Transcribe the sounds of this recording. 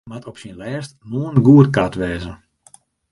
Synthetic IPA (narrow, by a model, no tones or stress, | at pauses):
matɔpsinlɛːstnuənɡuətkatʋɛːzə